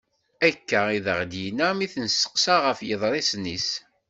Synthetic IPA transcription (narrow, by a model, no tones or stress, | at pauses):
ækːæiðəʁd̪jinæmiθənsə̥qsaʁəfjəðˤɾˤisnis